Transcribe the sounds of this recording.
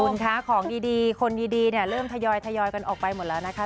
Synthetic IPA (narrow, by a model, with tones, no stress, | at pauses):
u˨˩˦nkʰaː˦˥kʰɔː˩˦ŋdiː˧diː˧kʰo˧ndiː˧diː˧ni˥˩ɐɾɤː˥˩mt̪ʰa˧jɔː˧jt̪ʰa˧jɔː˧jka˧nʔɔ̰ː˨˩k̚pa˧jmo˨˩˦t̪̚lɛː˦˥wna˦˥kʰa˦˥